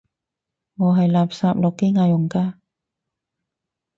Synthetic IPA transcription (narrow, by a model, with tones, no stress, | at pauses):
ŋɔː˨˧ɦɐ˨jlaː˨p̚saː˧p̚lɔː˨kːe˥jŋaː˧jʊ˨˩ŋkaː˧